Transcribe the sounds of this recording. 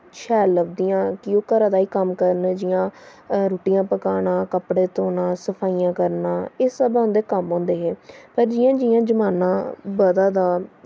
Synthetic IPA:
t͡ʃʰɛːləbd̪ijãːkɪoːkəɾaːd̪aːiːkəmkəɾənd͡ʒɪjãːɾoːʈijãːpəkaːɽãːkəpɽeːt̪oːnãːsəpʰaːijãːkəɾnãːeːsəbãʊ̃nd̪eːkəmɦɔ̃ːnd̪eːɦeːpəɾd͡ʒɪjãːd͡ʒijãːd͡ʒəmaːnãːbəd̪aːd̪aː

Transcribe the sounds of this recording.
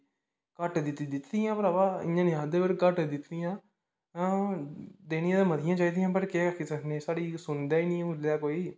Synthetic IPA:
kəʈd̪ɪt̪ːd̪ɪt̪d̪ɪjãːpəɾaːʋaːɪ̰̃ãːniãːd̪eːbəɾkəʈd̪ɪt̪d̪ɪjãː | d̪eːñĩãd̪ãːmət̪ʰɪjãːt͡ʃaːiːd̪ijãːpəɾkeːəkʰisəkʰnẽːsaːɽiːsʊnd̪aːinĩːʊljaːkoːiː

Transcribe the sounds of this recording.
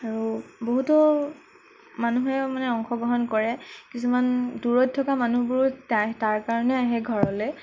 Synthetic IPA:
aɹuboɦutɔ | manuɦɛmanɛɔŋxɔɡɹɔɦɔnkɔɹɛkisumanduɹɔt̚tʰːɔkamanubʊɹtajtaɹkaɹɔnɛaɦɛɡʱɔɹɔloj

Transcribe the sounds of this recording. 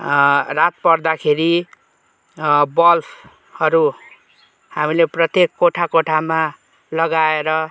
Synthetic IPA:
rat̪̚pʌrd̪akʰeɾi | bʌlpʰ | hʌɾu | hamileprʌt̪jekːoʈʰakoʈʰama | lʌɡaeɾʌ

